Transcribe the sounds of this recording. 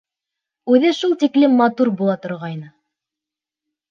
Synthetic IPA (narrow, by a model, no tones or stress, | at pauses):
ʉðɘʃulˠt̪iklɘmːɑt̪uɾbulˠɑt̪ŏɾʁɑjnɤ